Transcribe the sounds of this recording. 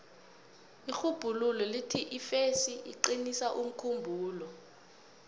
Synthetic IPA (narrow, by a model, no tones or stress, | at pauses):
ixub̥ʱululɔlitʰiʔifesiiǃinisaʔum̩kʰumbʱuːlɔ